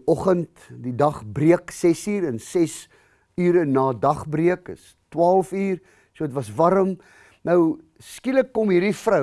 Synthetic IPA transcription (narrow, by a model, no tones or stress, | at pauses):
ɔχənt | didɐχbriəksɛsiːɾənsɛs | yːɾənɑːdɐχbriəkəs | twɑːlˠfyːr | suəətvɐsvɐɾəm | nəw | skiləkːɔmɦirdifrə